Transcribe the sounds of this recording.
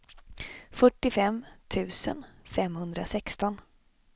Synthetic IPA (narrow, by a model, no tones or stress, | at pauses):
fœʈːɪfɛmt̪ʰʉ̟ːsə̰nfɛmhɵnd̪ɾasɛkst̪ɔn